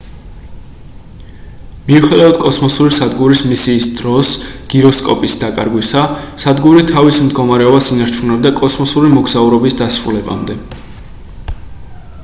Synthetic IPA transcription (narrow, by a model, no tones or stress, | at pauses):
miuχɛd̪avad̪̥̚kʼɔsmɔsuɾisad̪ɡuɾismisiːsd̪ɾɔsɡ̥iɾɔskʼɔ̰pʼisd̪akʼa̰ɾɡwisasad̪ɡuɾit̪ʰavismd̪ɡɔmaɾɛɔbasinaɾt͡ʃʰunɛbd̪akʼɔsmɔsuɾimɔɡzauɾɔbisd̪asɾṵlɛba̰md̪ɛ